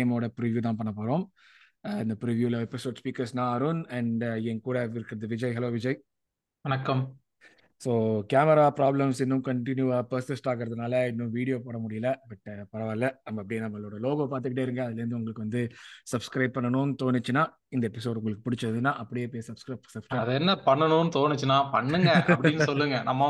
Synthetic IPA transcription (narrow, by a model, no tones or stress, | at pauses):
moːɽɐpɪɾɪʋjuːt̪ãːpɐɳːɐpoːɾõːm | ɪnd̪ɐpɪɾɪʋjuːlɐɛpɪsoːɖspiːkɐɾsnãːɐɾunɐɳɖɛŋkuːɽɐɪɾɯkːɪɾɐðɯʋɪd͡ʒɐɪɦɐloːʋɪd͡ʒɐɪ | ʋɐnɐkːɐm | soːkaːmɐɾaːpɾaːblɐmsɪnːɯmkɐɳʈɪnjuʋɐpɐɾsɪsʈaːɣɪɾɐðɯnaːlɐɪnːɯ̃ʋiːɽɪjoːpoːɽɐmʊɽɪjɐlɐbɐʈːpɐɾɐʋaːlɐɐmɐɐpːɐɽɪnːɐmɐlːoːɽɐloːɣoːpaːɾt̪ɯkɪʈːeːɪɾɯŋɡɐːðɪlɐɾɯnd̪ɯʊŋɡɐɭɯkːɯʋɐnd̪ɯsɐbskɾɐɪb̚pːɐɳːɐnʊ̃nɯt̪oːnɪt͡ʃːɯnaː | ɪnd̪ɐɛpːɪs̬oːɖʊŋɡɐɭɯkːɯpʊɽɪt͡ʃːɾɐðɯnːaːʔɐpːɐɽɪjeːpeːsɐbskɾɐɪsɐbskɾɐɐðɐɛnːɐpɐɳːɐnʊ̃nɯt̪oːnɪt͡ʃːɯnaːpɐɳːɯŋɡɐɐʔpɐɽɪnːsɔlːɯŋɡɐnɐmːɐ